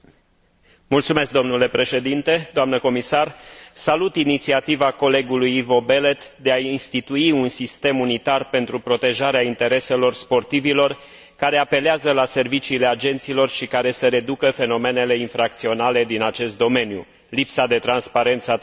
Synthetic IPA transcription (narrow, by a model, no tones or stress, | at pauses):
mult̪sume̞sk̚d̪o̞mnule̞pɾe̞ʃe̞d̪int̪e̞d̪oamnəko̞misarsalut̪init̪siat̪ivako̞le̞ɡulujivo̞be̞le̞t̪d̪eainst̪it̪uiunsist̪e̞munit̪arpe̞nt̪ɾupɾo̞t̪e̞ʒaɾeaint̪e̞ɾe̞se̞lo̞rspo̞rt̪ivilo̞r | kaɾe̞ape̞leazəlase̞rvit͡ʃiːle̞ad͡ʒe̞nt̪silo̞rʃikaɾe̞seɾe̞d̪ukəfe̞no̞me̞ne̞le̞infɾak̚t̪sio̞nale̞d̪inat͡ʃe̞st̪̚d̪o̞me̞njṵ | lipsad̪e̞t̪ɾanspaɾe̞nt̪sa